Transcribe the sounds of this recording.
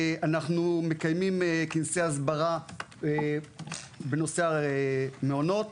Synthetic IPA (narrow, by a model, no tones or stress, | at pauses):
anaχnume̞kajmimkinseazbaʁa | beno̞sea | meono̞t̪